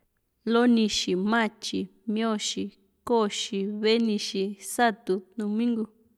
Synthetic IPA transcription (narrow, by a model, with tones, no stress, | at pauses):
lo˦nĩ˧ʃi˨mã˦˨t͡ʃi˨mĩ˧˦õ˦ʃi˧ | ko˦˨ʃi˧βe˦nĩ˧ʃi˧sa˦t̪u˧nũ˧mĩ˦ŋɡu˧